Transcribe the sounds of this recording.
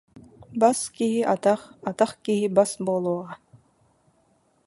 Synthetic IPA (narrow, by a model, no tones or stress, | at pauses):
baskiɦiʔat̪aχat̪aχkiɦibasbuːlˠuɔʁa